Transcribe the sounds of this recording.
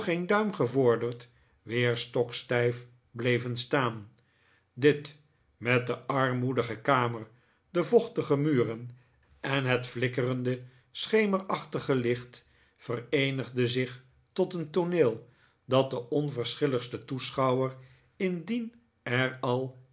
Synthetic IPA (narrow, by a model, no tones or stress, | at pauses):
χendœɥmχəvʊɹdəɹt | ʋɪːɹstɔkstɛjf | blejvənstaːn | dɪt | mɛdəʔɑɹmudəχəkaːməɹ | dəvɔχtəχəmyːrən | ʔɛnɦɛtflɪkərəndə | sχejmərɑχtəχəlɪχt | fərejnəχdəzɪχ | tɔtəntonɪːlˠ | dɑt̚dəʔɔnvəɹsχɪləχstətusχɑwər | ɪndin | ɛrɑlˠ